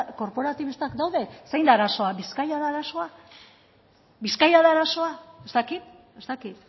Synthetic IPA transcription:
ko̞ɾpo̞ɾat̪iβist̪akd̪awðe̞sejnd̪aːɾaso̞aβiskajaðaɾaso̞a | βiskajaðaːɾaso̞aest̪akit̪ | e̞st̪akit̪

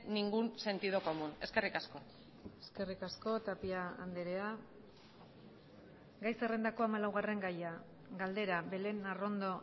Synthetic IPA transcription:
niŋɡuse̞nt̪iðoko̞mune̞ske̞rikasko̞ | e̞ske̞rikasko̞t̪apiaa̰nd̪eɾe̞a | ɡajsere̞nd̪ako̞amalawɣare̞ŋɡaja | ɡald̪e̞ɾaβe̞le̞naro̞nd̪o̞

